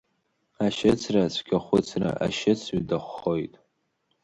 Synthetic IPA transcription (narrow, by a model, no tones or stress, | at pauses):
aʃɪt͡sʰrat͡sʷʰɡʲaχʷʊt͡sʰra̰ʔa̰ʃɪt͡sʰɥdaχʷːojtʼ